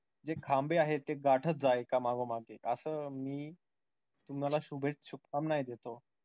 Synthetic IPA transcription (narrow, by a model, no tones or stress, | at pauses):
d͡zekʰambeaɦet̪ːeɡaʈʰət̪̚d͡zaekamaɡomaɡeʔəsəːmiː | t̪umnalaɕubʱet͡sɕukkamnajd̪et̪o